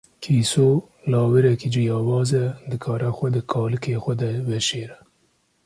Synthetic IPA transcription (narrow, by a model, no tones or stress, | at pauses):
kʰiːsoː | lɑːwɛɾɛkid͡ʒijɑːwɑːzɛd̪ɨkʰɑːɾɛxʷɛd̪ɨkʰɑːlɨkʰeːxʷɛd̪ɛvɛʃeːɾɛ